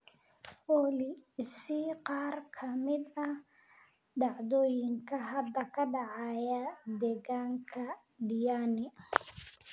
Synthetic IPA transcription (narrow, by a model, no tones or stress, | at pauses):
ʔɔːlɪsɪqɑːrkʰɐmɪd̪ɐ | ɖɑʕd̪ɔːjɪŋkʰɐɦɐd̪ɐkʰɐɖɑʕɑːjɐd̪ɛːɣaːŋkʰɐ | ɖɪjaːnɪ